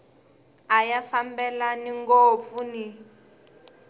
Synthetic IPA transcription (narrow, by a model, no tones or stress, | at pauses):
ajafambɛlaniŋɡop̪funi